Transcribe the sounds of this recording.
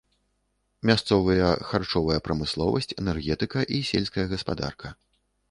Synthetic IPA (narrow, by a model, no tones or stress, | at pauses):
mʲast̪sɔvɐjɐxart͡ʂɔvɐjɐpɾɐmɨslˠɔvɐsʲt͡sʲɛnɛrɣʲɛt̪ɨkɐʔisʲɛlʲskɐjɐɣɐspad̪a̰rkʰɐ